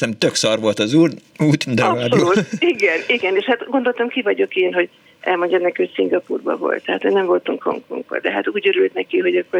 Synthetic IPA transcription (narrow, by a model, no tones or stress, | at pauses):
ɛmt̪øksɒrʋo̞lt̪ɒzuːruːt̪ind̪ɛaːsdoːiɡɛniɡɛneːʃhat̪ɡo̞nd̪olt̪ɒmkivɒɟo̞keːnɦo̞ɟ | ʔɛ̰lmo̞ɲɟɒmnɛkiocʲsiŋɡɒpuːrbɒ̰vo̞̰lt̪ːɛɦaːt̪hoɟnɛɱvo̞lt̪uŋkho̰ŋko̰ŋɡbɒ̰d̪ɛɦat̪uːɟøɾylt̪nɛkiɦo̞ɟɒkːor